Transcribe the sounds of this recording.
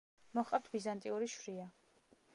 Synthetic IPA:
mɔχqʼaft̪ʰbizant̪ʼiuɾiʃɾia

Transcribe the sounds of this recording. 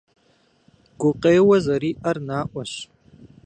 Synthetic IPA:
ɡ̥ʷʊqʼeːwɐzɐɾiːʔɐrnaːʔʷɐɕ

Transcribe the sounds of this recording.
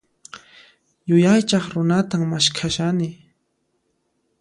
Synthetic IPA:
jʊjajt͡ʃɑχɾʊnat̪aŋmaʃkʰaʃanɪ

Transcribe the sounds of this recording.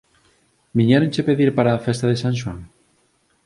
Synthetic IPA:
miɲaɾont͡ʃepeðiɾpaɾaːfest̪aðesãŋʃ̬waŋ

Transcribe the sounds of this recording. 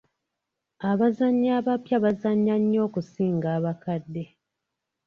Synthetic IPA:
aβazaɲːaːβapjaβazaɲːaɲːo̞ːkusiːŋɡaːβakadːe̞

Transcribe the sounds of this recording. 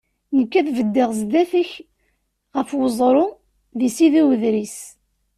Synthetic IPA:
nəkːæθvəd̪ːɪʁs̬d̪æθəç | ʁəfwəzˤɾˤʊ | ðisiðiwəðɾis

